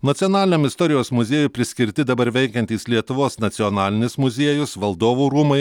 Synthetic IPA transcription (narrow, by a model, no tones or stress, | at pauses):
nɐt̪sʲiɔnɑːlʲɪnʲɛmɪst̪ɔɾʲɪjoːsmʊzʲeːjʊpʲɾʲɪsʲkʲɪɾʲt̪ʲɪd̪ɐbɐɾʋʲɛɪkʲɛnʲt̪ʲiːslʲiɛt̪ʊʋoːsnɐt̪sʲɪjɔnɑːlʲɪnʲɪsmʊzʲiɛjʊsʋɐlˠd̪oːʋuːɾuːmɐɪ